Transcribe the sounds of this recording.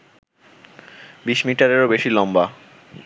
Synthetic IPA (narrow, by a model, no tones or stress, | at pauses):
biʃmiʈaɾeɾobeʃilɔmba